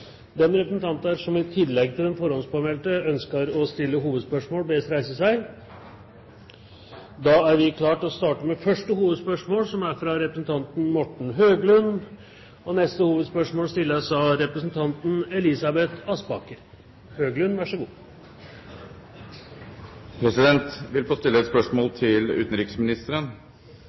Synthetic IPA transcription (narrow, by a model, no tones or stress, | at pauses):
d̪ɛmɾɛpɾəsn̩t̪ʰɑnt̪əæɾʂɔmɪt̪ʰːɪd̪lɛɡːt̪ʰɪlɛnfɔɾɔnspɑːmɛlt̪əœnskəɾɔst̪ɪlːəɦuːʋəd̪spœʂmoːlbeːst̪ɾæɪsəsæɪ | d̪ɑæɾʋɪkʰlɑːʈɔst̪ɑːʈəmɛfœʂʈəhuːʋəd̪spœʂmoːlsɔmæɾfɾɑɾɛpɾəsn̩t̪ʰɑnt̪n̩mɔʈɳ̩ɦøːɡlʉn | ɔnɛst̪əhuːʋəd̪spœʂmoːlst̪ɪlːəsɑɾɛpɾəsnt̪ʰɑnt̪n̩ɛlɪsɑbɛt̪ʰɑsbɑkəɾ | høːɡlʉnʋæʂəɡuː | pʰɾɛsɪd̪ɛnt̪ʋɪlfoːst̪ɪlːəɛt̪spœʂmoːlt̪ʰɪlʉ̰ːt̪n̩ɾɪksmɪnɪst̪əɾən